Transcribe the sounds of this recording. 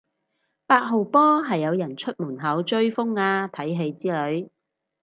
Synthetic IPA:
paː˧k̚ɦo˨˧wpɔː˥ɦɐ˨jːɐ˨˧wjɐ˨˩nt͡ʃʰɵ˥t̚muː˨˩nɦɐ˨˥wt͡ʃɵ˥ɥfʊ˥ŋaː˧t̪ʰɐ˨˥jɦe˨˧jt͡siː˥lɵ˨˧ɥ

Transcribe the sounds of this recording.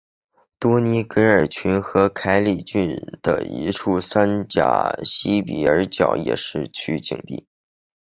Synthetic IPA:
t̪wɔ˥ni˧˥kə˧˥nə˞˨˩t͡ɕʰy˧˥nxɤ˧˥kʰa˧˥ɪli˨˩t͡ɕy˥˩nd̪̥ə̰˩ḭ˧˥ʈ͡ʂʰu˥˩sa˥nt͡ɕja̰˨˩ɕi˥pḭ˨˩ə̰˞˧˥t͡ɕjɑ̰˨˩˥ʊjɛ̰˨˩ʂɻ̩˥˩t͡ɕʰy˥t͡ɕḭ˨˩ŋt̪ḭ˥˩

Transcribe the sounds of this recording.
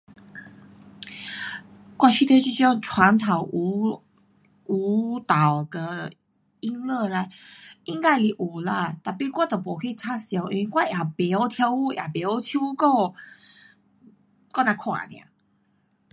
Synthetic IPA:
kwa˥˧t͡ɕʰi˥˧t̪ʰe˥˧t͡ɕi˥˧t͡ɕɔ˥˧ŋt͡ʃʰwa˧˦nt̪ʰa˨˩ʊwʔu˧˦ | u˧˦t̪a˨˩wd̪ə˧ | i˦nlə˥˧la˧˩jʔi˧ŋka˥ɪli˨˧˩ʔu˨˩la˧t̪a˨˩pi˧kwa˥˩t̪ə˨˩pwɔ˨˩kʰə˧i˧˨˩t͡sʰa˥sja˧˩ʊʔḭ˧wi˧˦kwa˥˧˩ʔja˨˩pɛ˨˦o˧˩t̪ʰja˧˦ʊu˥˧ja̰˨˩pɛ˨˧˦o˥˧˩t̪ʰju˥˦˧ko˥˧ | ko˥˧nã˨˧kʰwã̰˨nj̰ã̰˨˧˩

